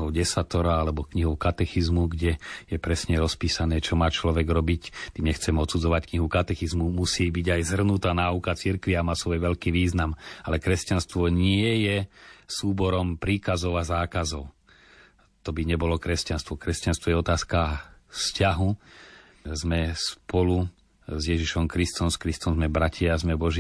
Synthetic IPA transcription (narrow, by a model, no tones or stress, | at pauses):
ɔʊɟɛsat̪ɔɾaalɛbɔkɲiɦɔʊkat̪ɛxizmuɡɟɛjɛpɾɛsɲɛɾɔspiːsanɛːt͡ʃɔmaːt͡ʃlɔʋɛɡɾɔbict̪iːmɲɛxt͡sɛmɔt̪sud͡zɔʋackɲiɦukat̪ɛxizmumusiːbiɟajzɦr̩nut̪aːnaːukat͡siɾkʋiamaːsʋɔjʋɛʎkiːʋiːznamalɛkɾɛscanst̪ʋɔɲɪɛjɛsuːbɔɾɔmpɾiːkazɔʊazaːkazɔʊ | t̪ɔbiɲɛbɔlɔkɾɛscanst̪ʋɔkɾɛscanst̪ʋɔjɛɔt̪aːskafscaɦu | zmɛspɔlu | zjɛʒiʃɔmkɾist̪ɔmskɾist̪ɔmzmɛbɾacɪazmɛbɔʒ